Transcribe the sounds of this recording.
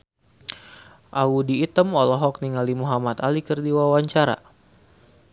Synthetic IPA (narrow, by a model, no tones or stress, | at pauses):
ʔaudiːt̪əmɔlɔɦɔk̚niŋalimuɦamat̪alikərdiwawaɲt͡ʃaɾa̰